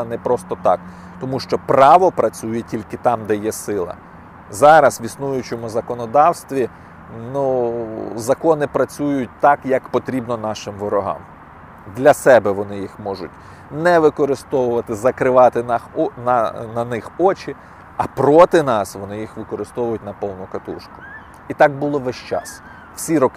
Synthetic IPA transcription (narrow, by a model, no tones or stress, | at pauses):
nɛpɾɔst̪ɔt̪ɑk | t̪ɔmuʃt͡ʃɔpɾɑʋɔpɾɐt͡sʲujɛtʲilʲkɪt̪ɑmd̪ɛjɛsɪlˠɐ̰ | zɑɾɐsʋʲisnujʊt͡ʃemʊzɐkɔnɔd̪ɑwst̪ʋʲi | nu | zɐkɔnɪpɾɐt͡sʲujʊt̚ʲt̪ɑkjɐkpɔt̪ɾʲibnɔnɑʃɪmʋɔɾɔɦɑ̰m | d̪lʲɐsɛbɛʋɔnɪjixmɔʒʊ̰t̚ʲ | nɛʋɪkɔɾɪst̪ɔʋʊʋɐt̪ɪzɐkɾɪʋɑt̪ɪnɑxɔnɐnɐnɪxɔt͡ʃɪ | ɐpɾɔt̪ɪnɑsʋɔnɪjixʋɪkɔɾɪst̪ɔʋʊjʊtʲnɐpɔwnʊkɐt̪uʃkʊ̥ | it̪ɑk̚bʊlˠɔʋɛʃt͡ʃɑ̰s | wsʲiɾɔk